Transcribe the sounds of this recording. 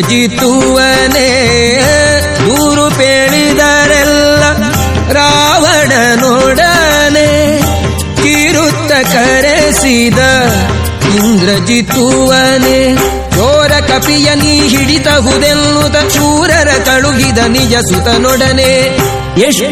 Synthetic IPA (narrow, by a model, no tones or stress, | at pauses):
d͡ʒit̪ːu | ʋɐ | ne | d̪uːɾupeːɭid̪ɐɾɛlːɐ | ɾaːʋɐɽɐnɔɽɐne | kiɾut̪ːɐkɐɾesid̪ɐ | ind̪ɾɐd͡ʒit̪uʋɐne | jɔːɾɐkɐpijɐniɦiɽit̪ɐɦud̪elːut̪ɐuːɾɐɾɐkɐɭuɡid̪ɐnid͡ʒɐsut̪ɐnɔɽɐne | eʂ